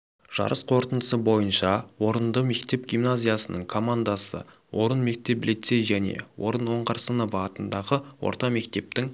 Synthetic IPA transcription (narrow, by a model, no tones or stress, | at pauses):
ʒ̥ɑ̰ɾʔəsqʰo̞ɾt̪ənd̪ə̥səbo̞jənʃɑwo̞ɾənd̪əme̞kt̪e̞p̚ɡʲimnazʲijasənəɴkʰo̞mand̪asə̰ | wʔo̞ɾənme̞k̚t̪e̞plijt̪se̞jʒæne̞̰wo̞ɾənwo̞ɴqɑɾsənəvɑt̪ənd̪ɑʁəwo̞̰ɾt̪ɑme̞kt̪e̞p̚t̪ɪŋ